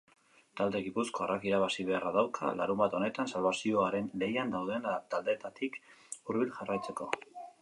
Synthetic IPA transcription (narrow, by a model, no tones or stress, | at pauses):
t̪ald̪e̞ɣipusko̞arʔakiɾaβ̞asiβ̞e̞araðawkʰa̰la̰ɾumbat̪o̞ne̞t̪ansalβasio̞aɾe̞nle̞jand̪awð̞e̞nt̪ald̪e̞t̪at̪ikuɾβilʝarajt͡se̞ko̞